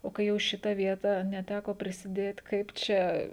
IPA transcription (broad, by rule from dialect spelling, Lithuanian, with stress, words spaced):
oː kɐɪ ˈjɛʊ ˈʃʲɪtɐ ˈʋʲiɛtɐ nʲɛˈtʲækoː pʲrʲɪsʲɪˈdʲeːt ˈkɐɪp t͡ʃʲɛ